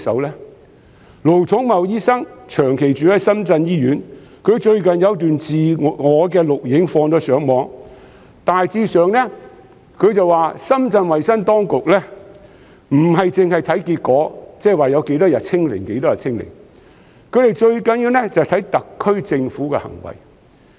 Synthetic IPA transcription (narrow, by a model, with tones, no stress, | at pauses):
sɐ̰˨˥wlɛː˥ | lo˨˩wt͡sʰʊ˨˥ŋmɐ˨wjiː˥sɐ˥ŋt͡ʃʰœː˨˩ŋkʰe˨jt͡ʃyː˨lɛ˥sɐ˥mt͡sɐ˧njiː˥jyː˨˥nkʰɵ˨˧ɥt͡ʃɵ˧ɥkɐ˨njɐ˨˧wt̪̬yː˨nt͡siː˨ŋɔː˨˧k̬ɛː˧lʊ˨k̚jɪ˨˥ŋfɔː˧ŋt͡sɔː˨˥sœː˨˥ŋmɔː˨˧ŋ | t̪aː˨jt͡siː˧sœː˨ŋnɛː˥ | kʰɵ˨˧ɥt͡sɐ˨waː˨sɐ˥mt͡sɐ˧nwɐ˨jsɐ˥nt̪ɔː˥ŋkʊ˨k̚lɛ˥ | m̩˨˩ɦɐ˨jt͡sɪ˨ŋhɐ˨jt̪ʰɐ˨˥jkiː˧t̚kɔː˨˥t͡sɛː˥˨waː˨jɐ˨˧wke˨˥jt̪ɔː˥jɐ˨t̚t͡sʰɪ˥ŋlɪ̰˨˩ŋke˨˥jt̪ɔː˥jɐ˨t̚t͡sʰɪ˥ŋlɪ̰˨˩ŋ | kʰɵ˨˧ɥɾe˨˩jt͡ʃɵ˧ɥkɐ˨˥njiː˧wnɛ˥t͡sɐ˨ht̪ʰɐ˨˥jt̪ɐ˨kʰːɵ˥ɥt͡sɪ˧ŋfuː˨˥kɛ̰˧hɐ̰˨˩ŋwɐ̰˨˩j